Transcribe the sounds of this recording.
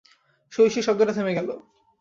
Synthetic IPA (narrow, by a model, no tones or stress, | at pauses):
ʃojʃiʃɔb̚ɡ̪oɾʈat̪ʰemeɡɛlo